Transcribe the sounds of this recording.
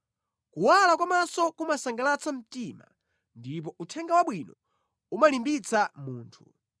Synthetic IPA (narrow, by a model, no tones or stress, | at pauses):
kuwalakwamasɔkumasaŋɡalat͡sam̩tima̰ | ndip̬ɔʔutʰɛŋɡawaɓwinɔ | umalimbit͡samuːntʰṵ